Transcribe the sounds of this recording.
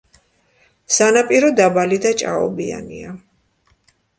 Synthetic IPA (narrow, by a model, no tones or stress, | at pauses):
sanapʼiɾɔd̪abalid̪at͡ʃʼa̰ɔ̰bia̰nia